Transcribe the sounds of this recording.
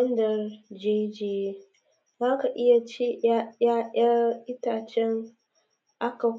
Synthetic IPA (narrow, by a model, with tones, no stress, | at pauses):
ɐ˦ndɐ˨rd͡ʒe˦d͡ʒeː˨e˦ | zaː˦ka˨ʔɪ˦ja˨t͡ʃeː˦a˦jaː˦ʔɐ˦ʔɪ˦taː˨t͡ʃɛ˦ŋ | ʔa˦ka˨